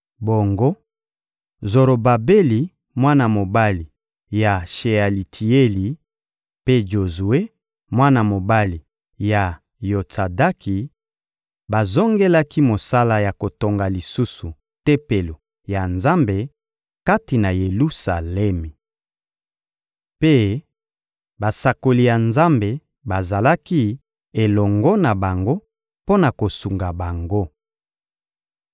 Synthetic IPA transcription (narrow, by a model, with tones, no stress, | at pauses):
bo˨ŋɡo˦ | zo˨ɾo˨ba˨be˦li˨ | mwa˦na˨mo˨ba˦li˨ | ja˨ʃe˨a˨li˨tʰi˨e˦li˨ | pe˦ʒo˨zu˨e˦ | mwa˦na˨mo˨ba˦li˨ | ja˨ | jo˨t͡sa˨da˦kʰi˨ | ba˨zo˦ŋɡe˦la˦ki˦mo˨sa˦la˦ja˨ko˨to˨ŋɡa˨li˨su˦su˨ | tɛ˦pe˨lo˨ | ja˨nza˦mbe˨ | ka˦ti˨na˨je˨lu˦sa̰˨lɛ˦mi˨ | pe˦ | ba˨sa˨ko˨li˨ja˨nza˦mbe˨ | ba˨za˨la˦ki˦ | e˨lɔ˨ŋɡɔ˦na˨ba˨ŋɡo˦ | po˦na˨ko˨su˨ŋɡa˨ba˨ŋɡo˦